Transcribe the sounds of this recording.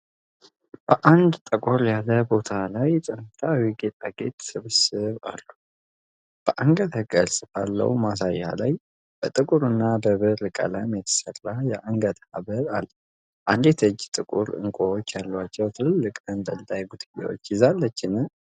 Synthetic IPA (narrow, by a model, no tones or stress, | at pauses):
b̥əʔand̪t̪ʼəkʼoɾjaləbo̞t̪ʰalajt̪ʼɨnt̪ʰawiɡet̪ʼaɡḛt̪sɨβɨsɨβa̰lːu | b̥əʔaŋɡət̪həɡʼəlsʼɨfalːə̰wmas̬ajːa̰laj | b̥ət̪ʼɨkʼuɾɨnːabəβɨɾɨkʼə̰laəjmjɛt̪ʰə̥sərajɛʔaŋɡət̪haβəɾalː | ʔand̪jɛt̪ʰɨd͡ʒːt̪ʼɨkʼuɾɨ̰ŋkʼoot͡ʃːjalːat͡ʃːɛwt̪ʰɨlɨlːɨkʼənd̪ənd̪ajɡud̪ʰɡḛwo̰t͡ʃːjɪzalːət͡ʃːɪnɨ